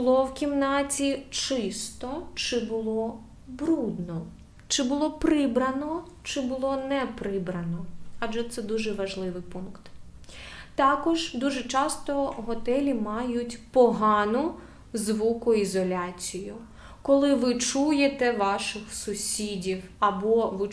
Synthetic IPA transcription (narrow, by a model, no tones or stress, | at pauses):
bʊlˠɔwkʲimnɑtʲit͡ʃɪst̪ɔt͡ʃɪbʊlˠɔ | bɾud̪nɔ | t͡ʃɪbʊlˠɔpɾɪbɾɐnɔ | t͡ʃɪbʊlˠɔnɛpɾɪbɾɐnɔɑdʒɛt̪sɛd̪uʒɛʋɐʒlˠɪʋɪjpunkt̪ | t̪ɑkɔʒd̪uʒɛt͡ʃɑst̪ɔɦɔt̪ɛlʲimɑjʊtʲpɔɦɑnʊ | zʋukʊizɔlʲat͡sʲijʊ | kɔlˠɪʋɪt͡ʃujet̪ɛʋɑʃɪxsʊsʲidʲiwɐbɔʋɪ